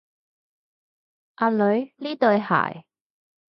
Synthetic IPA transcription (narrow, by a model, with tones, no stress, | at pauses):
ʔa˧lɵ˨˧˥ɥliː˥t̪ɵ˧ɥha̰ː˨˩j